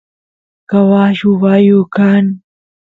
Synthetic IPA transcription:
kɐwaːɕuwaːjokan

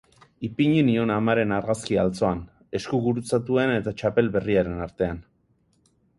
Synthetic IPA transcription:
ipiɲinio̞namaɾe̞naɾɣaskialt͡so̞an | e̞skuɣuɾut͡sat̪ue̞ne̞t̪at͡ʃape̞lβe̞riaɾe̞naɾt̪e̞an

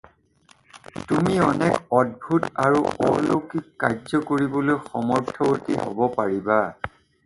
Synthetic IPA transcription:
tumiɔnɛkɔd̚bʱutaɹuɔ̰lokikːazɔkoɹibɔlojxɔmɔɹtʰɔotiho̰bɔpaɹiba

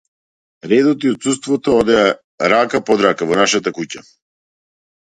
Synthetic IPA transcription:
ɾɛd̪ɔt̪iɔt̪sust̪vɔt̪ɔɔd̪ɛa | ɾakapɔd̪ɾakavɔnaʃat̪akuca

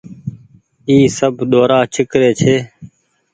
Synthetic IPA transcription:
iːsəbʱɗ̪oːɾaːt͡ʃʰɪkɾeːt͡ʃʰeː

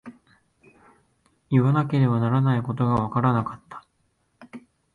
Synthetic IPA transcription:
iβanake̞ɾe̞banaɾanaiko̞t̪̬o̞ɡaβ̞akaɾanakḁt̪ːḁ

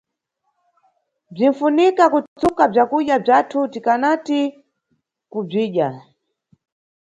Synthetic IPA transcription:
b͡ʐin̩funikakut͡sukab͡ʐakuʄjab͡ʐatʰutikanati | kub͡ʐiːʄa

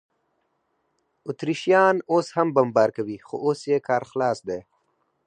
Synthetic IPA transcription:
ʊt̪ɾiʃjɑːnoshambambɑːɾkawixo̰ʔosjekɑːɾxlɑːsd̪e

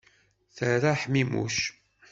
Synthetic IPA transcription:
θəɾaħmimṵʃ

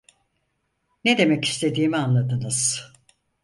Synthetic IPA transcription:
ned̪e̞mɛci̥st̪ʰe̞d̪iːmianlˠad̪ɯnɯz̥

